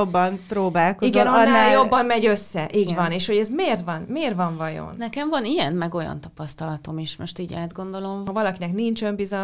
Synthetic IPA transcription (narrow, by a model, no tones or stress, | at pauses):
obːɒnpɾoːbaːlkoiɡzɛnnːaːljo̞bːɒmmɛɟø̞sːɛʔiːɟɡvɒneːʃho̞ɟɛzmeːrt̪vɒnmeːrvɒɱvɒjo̰nnɛkɛɱvɒnijɛnmɛɡo̞jɒ̰nt̪ɒ̥pɒst̪ɒlɒt̪o̞meːʃmoʃt̪iːɟa̰ːd̪ɡo̞nd̪o̞lo̞mɒvɒlɒkinɛknint͡ʃɛmbizɒ